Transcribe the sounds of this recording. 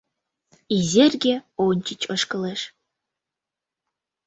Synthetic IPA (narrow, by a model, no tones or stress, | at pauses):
izʲerʲɡʲeonʲt͡ɕit͡ɕɤʃkɤ̆leʃ